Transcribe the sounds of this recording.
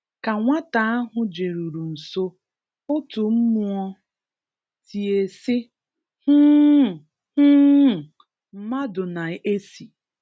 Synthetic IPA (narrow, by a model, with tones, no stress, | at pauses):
ka˨ŋʷa˦ta˨a˦ɦʊ˦d͡ʒe˨ɾu˨ɾu˨n̩˨so˦ | ʊ˦tʊ˨m̩˦mʊ˦ɔ˦ | tʰi˨e˨sɪ˦ | hu˦˨ | hu˦˨ | m̩˦ma˦dʊ˨na˨e˦si˨